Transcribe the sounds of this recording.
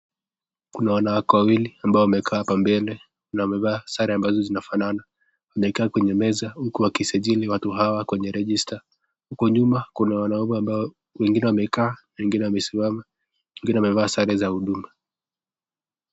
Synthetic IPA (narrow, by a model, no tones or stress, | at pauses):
kunawanawakɔwawiliambaɔwamɛkʰaːpambɛlɛ | nawamɛvaːsaɾɛambazɔzinafanana | wamɛkaːkwɛɲɛmɛzahukuwakisaʄiliwatuɦawakwɛɲɛɾɛʄista | hukɔɲumakunawanaɔmɛamba | wɛŋɡinɛwamɛkaːnawɛŋɡinɛwamɛsimama | wɛŋɡinɛwamɛvaːsaɾɛzahuɗuma